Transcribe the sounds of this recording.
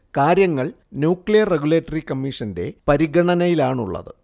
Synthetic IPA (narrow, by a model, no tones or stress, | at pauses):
kaːɾjɐŋːɐɭ | njuːkɭijɐrːeɡuleːtːɐrikɐmːiːʂɐnde̞̰pɐɾiɡɐɳɐnɐjilaːɳuɭːɐ̰ðɨ